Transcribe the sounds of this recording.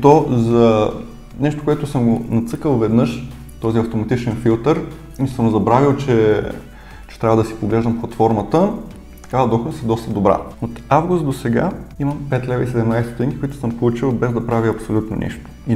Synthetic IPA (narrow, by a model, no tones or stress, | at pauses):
t̪ozɐ | nɛʃt̪okoɛt̪ʊsəmɡonɐt̪sɤkəlˠvɛd̪nɤʃ | t̪ɔziɐft̪omɐt̪it͡ʃɛnfilˠt̪əɾ | isəmzɐbɾavilˠt͡ʃɛ | t͡ʃɛ̥t̪ɾʲavəd̪ɐsi̥poɡlɛʒd̪əmplˠɐt̪fɔɾmət̪ə | t̪ɐ̥kavəd̪ɔxd̪əsɛd̪ɔst̪əd̪obɾa̰ot̪avɡust̪̚d̪osɛɡa̰imɐmpɛt̪lʲɛvəisɛd̪ɛmnajst̪o̥t̪ɛŋkʲi̥kʊit̪ʊ̥səmpolˠut͡ʃilˠbɛzd̪ɐpɾaviɐpsolʲut̪no̰nʔɛ̰ʃt̪o̥i